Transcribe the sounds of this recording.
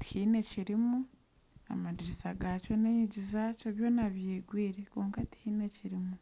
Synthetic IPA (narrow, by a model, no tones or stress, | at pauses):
ti̥hiːne̞ciɾimu | a̰madiɾisaɡaːco̞neɲiɟizaco̞βjo̞naβjeːɡwiːɾekoːŋkati̥hiːne̞ciɾimu